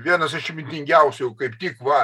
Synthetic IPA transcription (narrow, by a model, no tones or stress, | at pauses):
ʋʲiɛnɐsɐʃʲɪmʲɪnʲt̪ʲɪŋʲɡʲæʊsʲɛʊkɐɪpt̪ʲɪkʋɐ